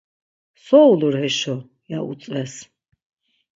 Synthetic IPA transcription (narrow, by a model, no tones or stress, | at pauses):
sɔwluɾɦɛʃɔ | jaṵt̪sʼvɛs